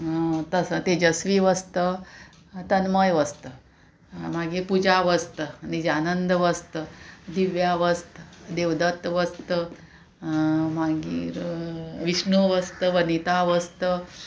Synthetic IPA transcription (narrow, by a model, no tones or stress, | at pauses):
t̪əsət̪ed͡ʑəsʋiʋəst̪ə | t̪ənməjʋəst̪ə | maɡiːɾpud͡ʑaʋəst̪ənid͡ʑanənd̪əʋəst̪əd̪iʋjaʋəst̪əd̪ewd̪ət̪ʋəst̪ə | maɡḭɾʋiʂɳəʋəst̪əʋənit̪aʋəst̪ə